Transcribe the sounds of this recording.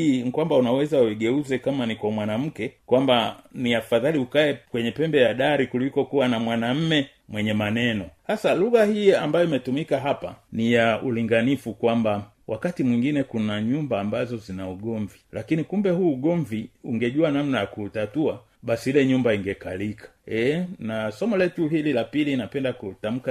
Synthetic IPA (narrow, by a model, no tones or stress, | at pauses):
ikwambaunawɛzaiɡɛuzɛkamanikwamwanam̩kɛkwambaniafaðaliukaɛkwɛɲɛpɛmbɛjaɗaɾikulikɔkuwanamwanam̩mɛ | mwɛɲɛmanɛnɔhasaluɣahiambajɔimɛtumikaɦapa̰nijaʔuliŋɡanifukwamba | wʔakatimwiŋɡinɛkunaɲumbaːmbazɔzinauɡɔɱvilakinikumbɛhuːɡɔɱviuŋɡɛʄuanamnajakutatua | ɓasihilɛɲumbaiŋɡɛkalikʰḁɛnasɔmɔlɛtuɦililapilinapɛndakutam̩ka